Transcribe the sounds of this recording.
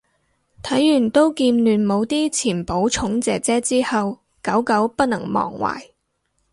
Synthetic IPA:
t̪ʰɐ˨˥jːyː˨˩nt̪o˥wkiː˧nlyː˨˩nmo˨˧wt̪iː˥t͡sʰiː˨˩npo˨˥wt͡ʃʰʊ˨˥ŋt͡sɛː˨k̚t͡sɛː˥t͡siː˥hɐ˨w | kɐ˨˥wkɐ˨˥wpɐ˥t̚nɐ˨˩ŋmɔ̰ː˨˩ŋwa̰ː˨˩j

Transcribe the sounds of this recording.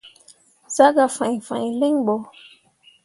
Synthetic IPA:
z̥a˦ɡa˨fã˨ɲ˨fã˨le˦ŋɓɔ˨

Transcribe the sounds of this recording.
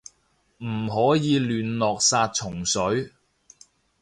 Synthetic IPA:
m̩˨˩ɦɔː˨˥jiː˨˧lyː˨nlɔː˨k̚saː˧t̚t͡ʃʰʊ˨˩ŋsɵ˨˥ɥ

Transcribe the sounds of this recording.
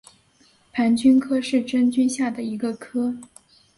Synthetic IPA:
pʰa˧˥nt͡ɕy˥nkʰɤ˥ʂɻ̩˥˩ʈ͡ʂə˥nt͡ɕy˥nɕja˥˩d̪ə˩i˧˥ɡə˧kʰɤ˥

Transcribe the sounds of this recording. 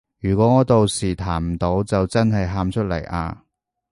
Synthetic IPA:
jyː˨˩kʷɔː˨˥ŋɔː˨˧t̪o˨˧wsiː˨˩t̪ʰaː˨˩nm̩˨˩t̪o˨˥wt͡sɐ˨wt͡sɐ˥nhɐ˨jɦaː˧mt͡ʃʰɵ˥t̚lɐ̰˨˩jʔa̰ː˧

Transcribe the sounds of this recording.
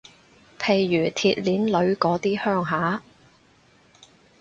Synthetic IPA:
pʰe˨˩jːyː˨˩t̪ʰiː˧t̚liː˨˥nlɵ˨˧˥ɥkɔː˨˥t̪iː˥hœː˥ŋɦaː˨˥

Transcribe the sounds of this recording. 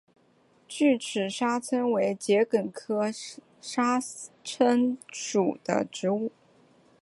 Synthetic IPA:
t͡ɕy˥˩ʈ͡ʂʰɻ̩˨˩ʂa˥t͡sʰwə˥nwe˧˥ɪt͡ɕjɛ˧˥kə˨˩nkʰɤ˥ | ʂa˥t͡sʰwə˥nʂu˨˩d̪̥ə̰˦ʈ͡ʂɻ̩˧˥u˥˩

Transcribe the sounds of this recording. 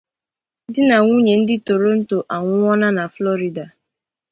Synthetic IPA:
dɪ˦na˨ŋʷu˦ɲe˨n̩˦dɪ˦to˨ɾo˦n̩˦to˨ʔa˨ŋʷʊ˦ŋɔ˦na˦na˨flɔ˦ɾi˨da˨

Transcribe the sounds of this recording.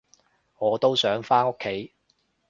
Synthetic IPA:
ŋɔː˨˧t̪o˥wsœː˨˥ŋfaː˥no˥kʰːe˨˥j

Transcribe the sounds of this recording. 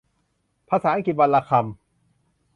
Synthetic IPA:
pʰaː˧saː˨˦a˦ki˨˩wa˧laː˧kʰa˧m

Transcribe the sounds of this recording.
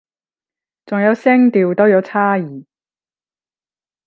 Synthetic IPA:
t͡sʊ˨ŋjɐ˨˧wsɪ˥ŋt̪iː˨wt̪o˥wjɐ˨˧wt͡sʰaː˥jiː˨˩

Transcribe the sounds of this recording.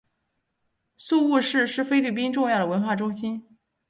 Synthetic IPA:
su˥˧u˥˧ʂɻ̩˥˧ʂɻ̩˥˩fe˥ɪly˥˩p̬i˥nʈ͡ʂʊ˥˧ŋjɑ˥˩ʊɾə˩wə˧˥nxwa˥˩ʈ͡ʂʊ˥ŋɕi˥n

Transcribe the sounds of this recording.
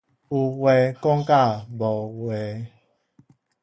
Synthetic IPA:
u˨wɛ˨kɔ˦ŋ˦ka˦˨bɔ˨wɛ˨

